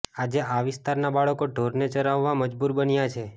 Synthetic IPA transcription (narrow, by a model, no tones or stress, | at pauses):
ad͡ʒeʔaʋɪst̪aɾnabaɭəkoɖʱoɾnet͡ʃəɾaʋːaməd͡ʒbuɾbənjat͡ʃʰe